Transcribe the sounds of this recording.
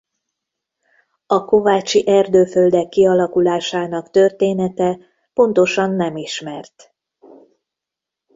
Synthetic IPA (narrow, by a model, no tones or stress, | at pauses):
ɒko̞vaːt͡ʃiʔɛrd̪øːføld̪ɛkːiɒlɒkulaːʃaːnɒkt̪ø̞rt̪eːnɛt̪ɛ | po̞nt̪o̞ʃɒnːɛmiʃmɛrt̪